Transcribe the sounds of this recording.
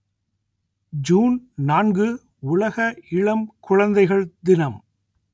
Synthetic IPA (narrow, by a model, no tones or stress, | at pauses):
d͡ʒuːnnaːnɡɯ | ʊlɐɣɐɪɭɐmkʊɻɐnd̪ɐɪɣɐɭd̪ɪnɐm